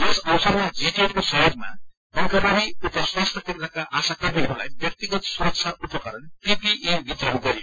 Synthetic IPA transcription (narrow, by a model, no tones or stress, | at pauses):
t̪esʌwsʌrmad͡zeʈeʈkosʌɦoɾma̰ | ɡʌŋkabaniut̪ʌswast̪ʰʌkint̪akaʔasakʌmiɦula̰jbjʌk̚t̪iɡʌt̪suɾʌk̚t͡sʰaupʌkʌɾʌnpipiʔebit̪rʌnɡʌɾio